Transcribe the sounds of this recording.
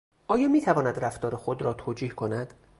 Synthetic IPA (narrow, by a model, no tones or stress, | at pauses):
ʔɒːjɒːmiːt̪ʰævɒːnæd̪ɾæft̪ɒːɾexod̪ɾɒːt̪ʰoːd͡ʒiːhkʰonæd̪̥